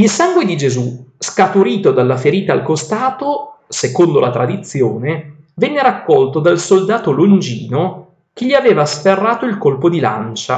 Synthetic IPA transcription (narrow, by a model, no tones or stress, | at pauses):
ilsaŋɡwed̪id͡ʒezuskat̪uɾiːt̪od̪alːafeɾiːt̪aːlkost̪aːt̪osekond̪olat̪ɾad̪it̪sjoːne | vɛnːeɾakːɔlt̪od̪alsold̪aːt̪olond͡ʒiːno | k̟eʎiaveːvasferːaːt̪oilkolpod̪ila̰nt͡ʃa̰